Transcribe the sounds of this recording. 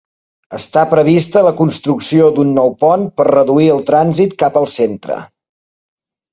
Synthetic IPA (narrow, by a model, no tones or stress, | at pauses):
əst̪apɾəβ̞ist̪ələkunst̪ɾuksiod̪unːɔwpɔnpərrəðuiəlˠt̪ɾanzit̪kapəlˠsent̪ɾə̰